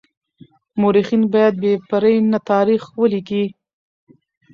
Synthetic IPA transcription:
moɾixinbɑjad̪̚bepaɾəjnat̪ɑɾixwəliki

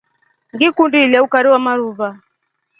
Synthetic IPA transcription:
ŋɡikundilaukaɾiwamaɾuva

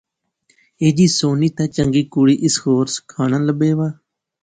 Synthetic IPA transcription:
eːd͡ʒiːsoːniːt̪ãːt͡ʃəŋɡiːkuːɽiːʔɪskoːɾskʰaːɽ̃ãːləbeːʋaː

